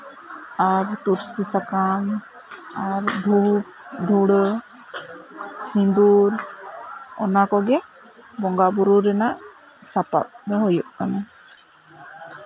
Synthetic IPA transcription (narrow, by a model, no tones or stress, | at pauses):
aɾt̪uɾsisakam | aɾdʱu | d̪ʱuɽə | sind̪uɾ | ɔ̰nakɔɡɛ | bɔŋɡabuɾuɾɛnaʔ | sapa̰p̚dɔɦɔjuʔkana